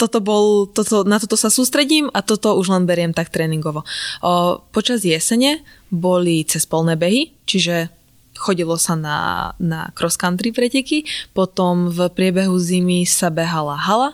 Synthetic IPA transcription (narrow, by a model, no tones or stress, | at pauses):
t̪ɔt̪ɔbɔlt̪ɔt̪ɔnat̪ɔt̪ɔsasuːst̪ɾɛɟiːmat̪ɔt̪ɔuʒlɛnbɛɾɪɛmt̪ak̚t̪ɾɛːniŋɡɔʋɔ | pɔt͡ʃazjɛsɛɲɛbɔlit͡sɛspɔlˠnɛːbɛɦit͡ʃiʒɛ | xɔɟilɔsana̰na̰kɾɔskand̪ɾipɾɛcɛkipɔt̪ɔmvpɾɪɛbɛɦuzimisabɛɦalaɦala